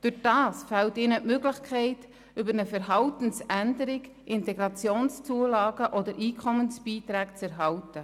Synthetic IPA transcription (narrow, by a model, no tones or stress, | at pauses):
d̥ʊχd̥ɑːsfɛltɪːnəʔmøɡlɪχkʰɛɪt | ʏbəɾnəfəɾɦɑwtən̩sændəɾɪɡ | ʔɪntɛɡɾɑt͡sjoːnst͡suəlɑːɡəʔɔdəɾʔiːkʰɔmənsb̥iːt̪ɾæːkt͡sɛɾɦɑwtə